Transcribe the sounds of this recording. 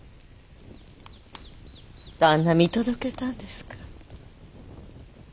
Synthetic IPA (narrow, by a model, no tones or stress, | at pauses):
d̪̥ãnːamʲit̪o̞d̪o̞ke̞t̪ãnd̪e̞sɨ̥kʰḁ